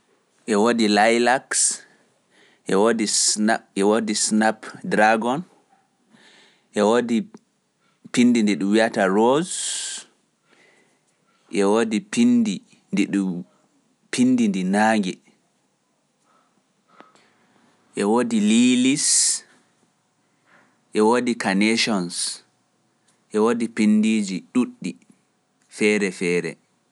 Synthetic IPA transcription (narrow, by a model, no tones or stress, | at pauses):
ʔɛwodilajlaks | ʔɛwodisɛwodisnapdɾaɡɔn | ʔɛwodi | pinːdindɛɗumwiataɾoz | ʔɛwodipindi | ndiɗu | pʰindindinaːŋɡɛ | ʔɛwodililis | ʔɛwodikanɛʃɔns | ʔɛwodipindid͡ʒiɗuɗːi | fɛɾɛfɛːɾɛ̰